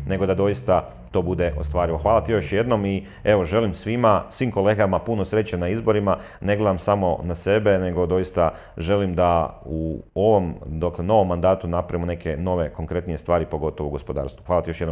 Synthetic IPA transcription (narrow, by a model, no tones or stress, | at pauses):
ne̞ɡo̞d̪ad̪o̞jist̪a | t̪o̞bud̪e̞ʔo̞̰st̪ʋaːɾiʋo̞xʋaːlˠat̪ijo̞ʃje̞d̪no̞mi | e̞ʋo̞ʒe̞limsʋimasʋiːmko̞le̞ːɡamapunosɾe̞t͡ɕenaizbo̞ɾima | ne̞ɡle̞d̪amsamo̞̰nase̞be̞ne̞ɡo̞d̪o̞jist̪a | ʒe̞limd̪auoʋo̞md̪okleno̞ʋo̞mːand̪aːt̪unapɾaimone̞kʰe̞no̞ʋe̞ko̞ŋkɾe̞t̪nije̞st̪ʋaːɾipo̞ɡo̞t̪oʋouɡo̞spo̞d̪a̰ːɾst̪ʋuxʋaːlat̪ijo̞ʃjedno